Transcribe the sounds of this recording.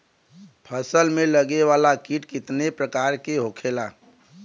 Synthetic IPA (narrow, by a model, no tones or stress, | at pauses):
pʰəsəlmẽləɡewaːlakiʈkɪt̪nepɾəkaːɾkeɦokʰelaː